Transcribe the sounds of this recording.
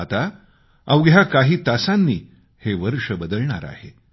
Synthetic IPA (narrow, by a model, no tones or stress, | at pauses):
at̪a | awɡjakaɦiːt̪asanːiː | heʋəɾʂəbəd̪əlɳa̰ɾa̰he